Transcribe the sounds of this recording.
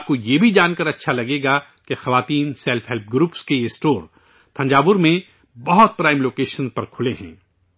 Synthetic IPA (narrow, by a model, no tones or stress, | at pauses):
b̚kojebʱid͡ʒaːnkəɾɐtːʃʰalɐɡeːɡa | kexɐʋaːt̪iːnsɛlfʰɦɛlp̚ʰɡɾuːpskejesʈoːɾ | t̪ʰɐ̃ɲd͡ʒaːbʊɾmẽ | bɐɦɔt̪̚pɾaːɪmloːkeːʃənzpɐɾkʰʊleɦɛ̰̃ː